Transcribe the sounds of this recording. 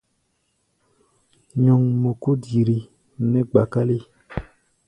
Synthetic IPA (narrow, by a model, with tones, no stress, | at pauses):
ɲɔ˨ŋmo˨ko˦di˨ɾi˨ | nɛ˦ɡ͡ba˨ka˦li˦